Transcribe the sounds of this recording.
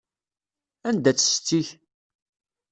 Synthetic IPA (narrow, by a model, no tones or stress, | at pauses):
ænd̪æt͡sːə̥st͡s̪ːiç